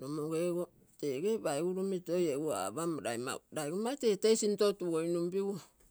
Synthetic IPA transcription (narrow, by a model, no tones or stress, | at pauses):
nomoɡeɡo | teɡebajɡuɾumitojeua̰bamɾa̰jma̰ɾajɡumatetejsintotuojnumpiwo